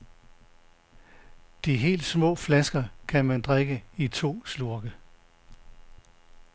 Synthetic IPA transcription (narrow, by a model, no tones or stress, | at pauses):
d̥iɦe̝̰ːld̥smɔ̰̽ːflæsɡ̥ɐkʰænmænd̥ʁaɡ̥əit͡sʰo̝̰ːsluɐɡ̥ə